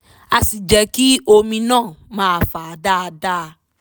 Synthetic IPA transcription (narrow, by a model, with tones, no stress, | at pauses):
a˨si˨d͡ʒɛ˨ki˦o˧mĩ˧nã˦˨mãː˨˧˨fa˨a˨da˦˧da˦˧